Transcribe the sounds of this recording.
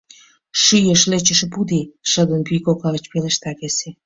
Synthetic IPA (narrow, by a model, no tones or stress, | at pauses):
ʃyjəʃlet͡ɕəʃpud̪iʃə̆d̪ənpykokɑət͡ɕpeleʃt̪ɑkese